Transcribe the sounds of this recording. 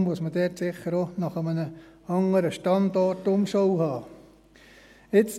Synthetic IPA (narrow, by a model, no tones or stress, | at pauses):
mʊəsmədɛrtsɪχːəɾonɑχəmənə | ɑŋəɾəʃtɑndɔtʊmʃɔwɦɑː | ɪt͡s